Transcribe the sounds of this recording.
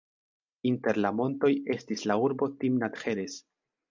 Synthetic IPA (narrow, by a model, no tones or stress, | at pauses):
inte̞ɾlamo̞nto̞je̞stislauɾbo̞timnat̪xe̞ɾe̞s